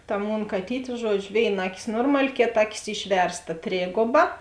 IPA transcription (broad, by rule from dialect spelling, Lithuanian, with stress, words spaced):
tɐ ˈmoːn kɐˈtʲiːtʲ ˈʒuɔd͡ʒʲʊ ˈʋʲeːɪˌnɐ ˈɑːˌkʲɪs ˈnoːrmɐlʲɪ ˈkʲeːˌtɐ ˈɑːˌkʲɪs ˈɪʃʲʋʲɛrsˌtɐ ˈtʲrʲeːɡoːbɐ